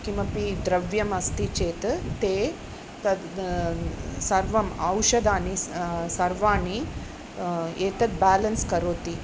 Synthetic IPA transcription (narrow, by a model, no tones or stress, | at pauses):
kimɐpid̪ɾɐʋjɐmɐst̪it͡ʃeːt̪t̪eː | t̪ɐd̪ | sɐɾʋɐmɐwʃɐd̪aːnisɐɾʋaːni | eːt̪ɐt̪̚baːlɐnskɐɾoːt̪i